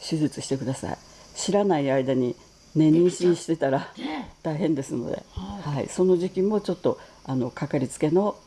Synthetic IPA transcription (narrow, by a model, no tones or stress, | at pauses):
ɕɨzɨt͡sɨ̥ɕi̥t̪e̞kɯ̟d̪asa̰ḭ | ɕiɾanaiaid̪aɲ̟i | nẽ̞ɲ̟ːĩɰ̃ɕĩɰ̃ɕi̥t̪e̞t̪aɾat̪aiɦẽ̞nd̪e̞sɨno̞̰d̪e̞̰haḭso̞no̞ʑikʲimːo̞t͡ɕo̞t̪ːo̞ | ano̞kakaɾʲit͡sɨ̥ke̞no̞